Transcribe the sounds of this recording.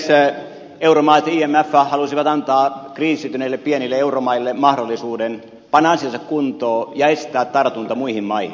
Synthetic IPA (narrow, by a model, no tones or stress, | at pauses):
s | euromɑːt̪iːemːæfːæhɑlusiʋɑt̪ɑnt̪ɑːkriːsyt̪yneilːeppienilːeeuromɑilːemɑhdolːˑisuːden | pɑnːɑɑnsiɑnsɑkkunt̪oːjɑest̪æːt̪t̪ɑrt̪unt̪ɑmuihimmɑihi